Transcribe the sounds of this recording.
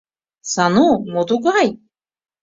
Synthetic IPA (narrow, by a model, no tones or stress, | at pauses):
sanumot̪uɡaj